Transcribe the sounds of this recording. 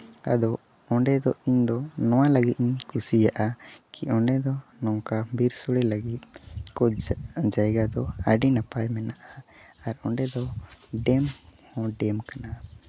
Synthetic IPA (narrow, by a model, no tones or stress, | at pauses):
a̰d̪ɔ | ɔɳɖɛd̪ɔiɲd̪ɔnɔwaləɡit̪̚iɲkusijaʔakiɔɳɖɛd̪ɔnɔŋkabiɾsuɽɛləɡit̪̚kɔd͡ʒajɡad̪ɔaɖinapajmɛnaʔa | aɾɔɳɖɛd̪ɔɖɛmhɔ̃ɖɛmkana